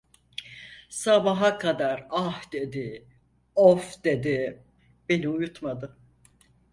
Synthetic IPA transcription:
sabaɦakʰad̪aɾahd̪ed̪i | ofd̪ed̪i | be̞niujut̪mad̪ɯ

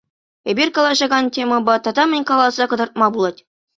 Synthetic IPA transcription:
ebʲirʲkɑlˠɑʑɑɡɑntʲemɤ̆bɑt̪ɑd̪ɑmʲɘ̆nʲkɑlˠɑzɑkɤ̆d̪ɤ̆rt̪̚mɑbulˠɑtʲ

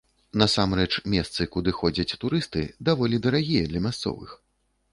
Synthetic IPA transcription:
nɐsamɾɛt͡ʂmʲɛst̪sɨkud̪ɨxɔd͡zʲɐt͡sʲt̪uɾɨst̪ɨd̪avɔlʲid̪ɐɾaɣʲijɐd̪lʲɐmʲast̪sɔ̰vɨ̰x

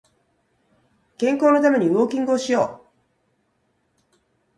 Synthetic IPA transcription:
kẽ̞ŋko̞ːno̞t̪ame̞ɲ̟iβo̞ːkʲĩŋɡɯoːɕijo̞ː

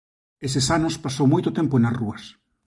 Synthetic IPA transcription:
esesanʊspasowmojt̪ʊt̪emponasruɐs

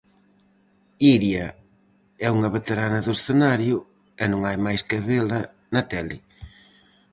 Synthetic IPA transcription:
iɾjɐ | ɛuŋɐβet̪eɾanɐðʊsθenaɾjʊ | ɛnõŋajmajskeβelɐ | nɐt̪ɛlɪ

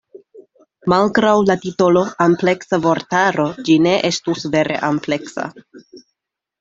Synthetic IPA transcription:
malɡɾawlatitolo̞ample̞ksavo̞ɾtaɾo̞d͡ʒine̞ʔe̞stusve̞ɾʔe̞̰ʔample̞ksa̰

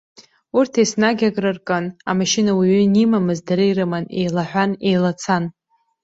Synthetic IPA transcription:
urtʰejsnaɡʲaɡʼrɨrkʼana̰maʃinawiʕʏnimamɨzdaɾɨjrɨmanejlaħᶣʷanejlat͡sʰan

